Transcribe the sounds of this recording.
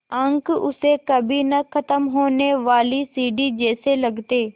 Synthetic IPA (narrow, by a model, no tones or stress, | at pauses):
ãŋkʊsekɐbʱinɐkʰət̪əmɦoːneʋaːlisiːɖid͡ʒeːselɐɡʱt̪eː